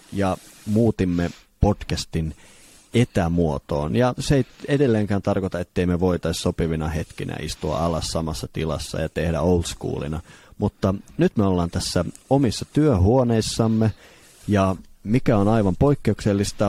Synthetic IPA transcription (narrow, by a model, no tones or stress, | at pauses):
jɑmuːt̪imːe | podkæst̪in | et̪æmuot̪o̰ːnjɑseeiedelːeːŋkæːnt̪ɑrkot̪ɑet̪ːeimeʋoit̪ɑissopiʋinɑhet̪kḭnʔæ̰ʔḭst̪uɑ̰ɑlɑssɑmɑsːɑt̪ilɑ̰sːɑ̰jɑt̪ehdæ̰oulskṵːlḭnɑmut̪ːɑnyt̪meolːɑːnt̪æsːæomisːɑt̪yøhuoneisːɑmːe | jɑmikæonɑiʋɑmpoikːeukselːist̪ɑ